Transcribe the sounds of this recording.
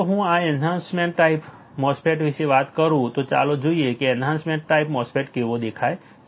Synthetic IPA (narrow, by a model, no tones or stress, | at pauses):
oɦũaenɦãnsmeɳʈːaip | mɔspʰeʈʋɪʃeʋat̪kəɾũt̪ot͡ʃa̰lod͡ʒoiekeenɦãnsmẽɳʈːaipmɔspʰeʈkeʋod̪ekʰae